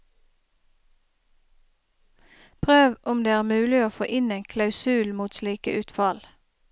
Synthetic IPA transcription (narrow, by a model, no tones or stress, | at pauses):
pʰʁøːʋʔʊmd̪eːæːʁmʉːlɪoːfoːʔɪneːŋkʰlɑʉsʉːlmuːt̪sliːkə̰ʔʉːt̪fɑl